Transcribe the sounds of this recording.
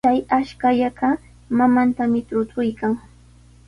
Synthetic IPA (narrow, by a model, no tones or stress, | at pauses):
t͡ʃajaʃkaʎaɢa | mamant̪amɪt̪ʊt̪ʊjkaŋ